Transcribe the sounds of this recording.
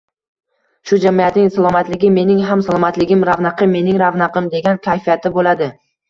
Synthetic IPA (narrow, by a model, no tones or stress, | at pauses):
ʃʊd͡ʒamijat̪nɪŋsalˠɒmat̪lɪɡʲɪme̞nɪŋɦamsalˠɒmat̪lɪɡʲɪmɾavnaqʰɨmːe̞nɪŋɾavnaqʰɨmd̪e̞ɡʲankʲʰajfijat̪ʰɪbolad̪ɪ